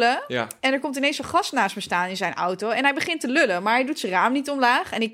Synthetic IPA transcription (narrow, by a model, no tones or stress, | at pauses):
ləɛnɛɹkɔmtɪnejnsɔχɑstnaːstməstaːnɪnzɛjnɔ̰wtoɛnɦɛjbəχɪntəløləmaːɹɦɛjdutsəraːmnitɔmlaːχɛnɪk